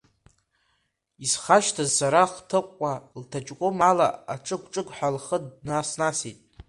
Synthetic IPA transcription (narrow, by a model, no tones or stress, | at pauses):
izχaʃtʰazsaɾaχtʰɨqʷʼːaltʰat͡ʃʼkʷʼomala̰aʈ͡ʂʼɨɡʷʈ͡ʂʼɨɡʷħalχədnasnasitʼ